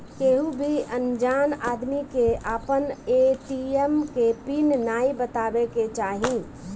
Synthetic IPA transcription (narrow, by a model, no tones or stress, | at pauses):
keɦũbʱiʔənd͡ʒaːnaːd̪mikeʔaːpəneʈiemkepinnaːibət̪aːbeket͡ʃaːɦĩ